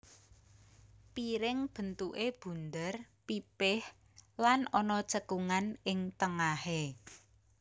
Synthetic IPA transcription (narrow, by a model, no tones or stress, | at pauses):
piɾɪŋb̥ə̤nt̪uʔeb̥ṳnd̪ər | pipɪh | lanɔnɔt͡ʃəkuŋanɪŋt̪əŋahe